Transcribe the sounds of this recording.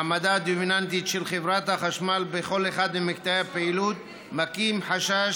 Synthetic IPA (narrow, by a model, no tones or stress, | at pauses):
mad̪ad̪ovinant̪̬it̪ʃelχevɾat̪haχaʃmalbeχo̞leχad̪memik̚t̪aapeilut̪̚ | makimħaʃa